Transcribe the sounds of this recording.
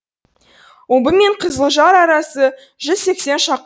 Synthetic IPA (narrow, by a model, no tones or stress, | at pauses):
wombəme̞ɴqʰəzəlˠəʒɑɾɑɾɑsə | ʒʏzse̞kse̞nʃɑq